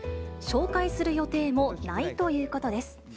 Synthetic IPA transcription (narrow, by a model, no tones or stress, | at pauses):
ɕo̞ːkaisɨɾɯ̟jo̞t̪e̞ːmo̞nait̪o̞jɯ̟ːko̞t̪od̪e̞sɨ̥